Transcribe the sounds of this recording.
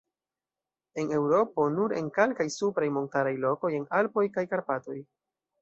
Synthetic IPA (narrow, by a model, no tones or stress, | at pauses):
e̞ne̞wɾo̞po̞nuɾenkelkajsupɾajmo̞ntaɾajlo̞ko̞je̞nalpo̞jkajkaɾpato̞j